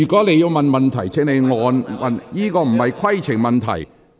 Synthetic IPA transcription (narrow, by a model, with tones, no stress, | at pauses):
yː˨˩kɔː˨˥le˨˧jːiː˧wmɐ˨nmɐ˨nt̪ʰɐ˨˩jt͡sʰɪ˥ŋnle˨˧jŋɔː˨˧nmɐ˨njiː˥kɔː˧m̩˨˩ɐ˨jkʰɐ˥jt͡sʰɪ˨˩ŋmɐ˨nt̪ʰɐ̰˨˩j